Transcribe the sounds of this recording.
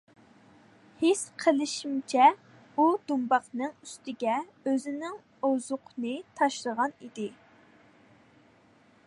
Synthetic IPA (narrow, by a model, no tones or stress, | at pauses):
hesqʰəlˠɪʃimt͡ʃʰɛ | ud̪umbɑqnɨŋyst̪ɪɡʲɛ | øzɪnɪŋ | ozʊqnɨt̪ʰɑʃlˠəʁɑnid̪ɪ